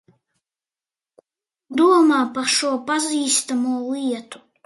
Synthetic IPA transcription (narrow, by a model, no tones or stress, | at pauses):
d̪uɔmaːpaʃuɔpaziːst̪amuɔliɛt̪u̥